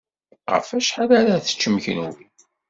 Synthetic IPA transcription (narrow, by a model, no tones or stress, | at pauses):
ʁə̰fæʃħaðæɾæθə̥t͡ʃːəmçə̰nwi